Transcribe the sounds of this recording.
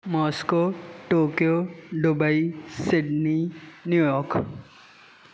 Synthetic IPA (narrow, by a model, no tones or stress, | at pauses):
mɔːskoːʈoːkijoɖʊbaisɪɖninjujɔːɾk